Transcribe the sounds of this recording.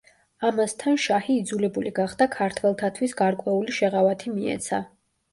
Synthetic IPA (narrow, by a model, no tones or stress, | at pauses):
amast̪ʰanʃahiːd̪zulɛbuliɡaχd̪akʰaɾt̪ʰwɛlˠt̪ʰat̪ʰwisɡaɾkʼwɛuliʃɛʁavat̪ʰimiɛ̰t̪sʰa